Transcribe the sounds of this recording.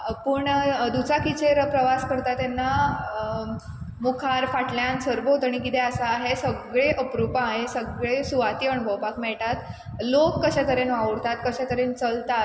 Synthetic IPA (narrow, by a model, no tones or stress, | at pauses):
pəːɳd̪ut͡sakit͡ɕeɾpɾəʋaskəɾt̪at̪anːa | mukʰaɾfaʈljãnsəɾʋot̪aɽ̃ikit̪eəsaːɦesəɡɭeʔəpɾupaːɦesəɡɭesuʋat̪iəɳbʱəwpakmɛɭʈ̪at̪ | lokːəɕɛ̃t̪əɾenʋaʋəɽt̪at̪kəɕɛ̃t̪əɾent͡səlt̪a